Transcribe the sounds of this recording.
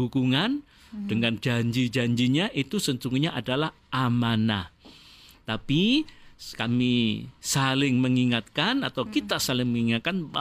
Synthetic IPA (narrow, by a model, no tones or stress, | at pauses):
uɡuŋan | d̥əŋand͡ʒaɲd͡ʒid͡ʒaɲd͡ʒiɲaʔit̪usəɲt͡ʃuŋɲaʔadalah | amana | t̪api | kamisalɪŋməŋiŋat̪̚kanat̪awkit̪asalɪŋməŋiŋat̪̚kanba